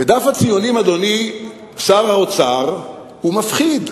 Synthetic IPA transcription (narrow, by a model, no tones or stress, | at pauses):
ved̪afhat͡sijonimad̪oni | saʁhaot͡saʁ | humafχid̪